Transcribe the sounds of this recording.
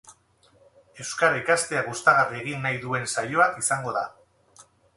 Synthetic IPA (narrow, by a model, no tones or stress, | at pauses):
e̞wskaɾaikast̪e̞aɣust̪aɣarieɣinːajðue̞nsajo̞akisaŋɡo̞ða